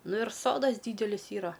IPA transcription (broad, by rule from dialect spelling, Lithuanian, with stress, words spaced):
ˈnʊ ɪr ˈsoːdɐs ˈdʲiːdʲɛlʲɪs ˈiːrɐ